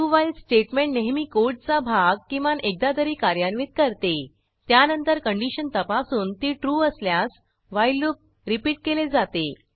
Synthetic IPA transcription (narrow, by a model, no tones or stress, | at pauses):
ʈuʋaisʈeʈmẽɳʈneɦmiːkoɾʈ̚t͡sabʱaɡ̚kĩʋanek̚d̪ad̪əɾiːkaɾjanʋiːt̪̚kəɾt̪e | t̪janənt̪əɾkəɳɖiɕənt̪əpasuːnt̪iːʈɾuːəsljas | ʋajlup̚ | ɾipiːʈ̚keled͡zat̪e